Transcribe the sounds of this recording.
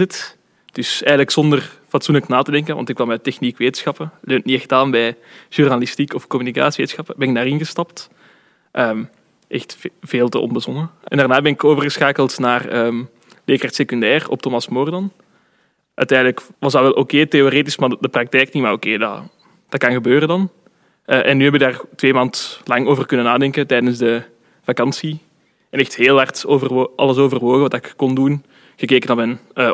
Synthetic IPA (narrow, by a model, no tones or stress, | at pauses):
ət | d̥ʏsɛjɣənləksɔndərfɑtsunləknaːtədɛŋkənʋʔɑ̰ntɪkʋɑmɛtɛxnikʋeːtənsxɑpəløːntniɛxtaːnbɛjʒ̥urnalistikɔfkɔmynika̰ːsiʋeːtənsxɑpəbɛnɪk̚daːrɪnɣəstɑpt | ʔəːm | ʔɛxtv̥eːlˠtə̰ʔɔ̰nbəzɔnəʔɛ̰ndarnaːbɛnɪkoːvərɣəsxaːkəlˠtnaːrəːm | leːkartsekyndɛːrɔ̰p̚tomɑsmɔrdɑn | ʔœ̰ɥtɛːndələkʋɑzdɑʋɛlˠʔokeːteoɾeːtismaːdəprɑk̚tɛːjknimaːrokeːdɑ̰ | d̥ɑtkɑnɣəbøːɾəndɑn | ʔəʔɛnːyːɦɛbɪk̚daːrtʋeːmaːntlɑŋoːvərkɵnənaːdɛŋkətɛjdənzdə | vɑkɑnsi | ɛnɛxtɦeːlˠɦɑrtovərʔɑ̰lˠəsoːvərʋoːɣəʋɑdɑɪkːɔndun | ɣ̥əkeːkənabɛnəː